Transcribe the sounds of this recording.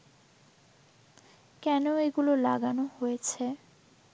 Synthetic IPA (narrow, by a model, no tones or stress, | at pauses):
kɛnoeɡulola̰ɡanohojet͡ɕʰe